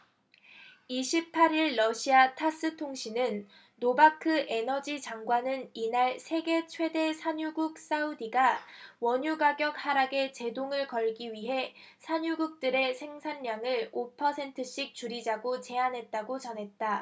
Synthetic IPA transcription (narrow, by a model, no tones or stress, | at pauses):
iɕʰipʰaɾiɭːʌɕʰiatʰas͈ɯtʰoŋɕʰinɯnː | obakʰɯʔe̞nʌd͡ʑit͡ɕaŋɡwanɯninaɭsʰe̞ɡe̞t͡ɕʰwe̞de̞sʰaɲuɡuk̚s͈audiɡawʌɲuɡaɡjʌk̚haɾaɡe̞t͡ɕe̞doŋɯɭkʌɭɡiɥiɦe̞ | sʰaɲuɡuk̚t͈ɯɾe̞sʰe̞ŋsʰanmjaŋɯɭopʰʌsʰe̞ntʰɯɕ͈ik̚t͡ɕuɾid͡ʑaɡot͡ɕe̞anɦe̞t̚t͈aɡot͡ɕʌnɦe̞t̚t͈a